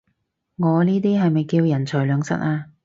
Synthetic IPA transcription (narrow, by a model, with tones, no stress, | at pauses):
ŋɔː˨˧niː˥t̪iː˥ɦɐ˨jmɐ˨jkiː˧wjɐ˨˩nt͡ʃʰœː˨˩lœː˨˧ŋsɐ̰˨˥t̚aː˧